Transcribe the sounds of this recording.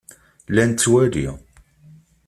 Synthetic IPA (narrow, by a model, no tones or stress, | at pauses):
lænt̪ːwæɾḭ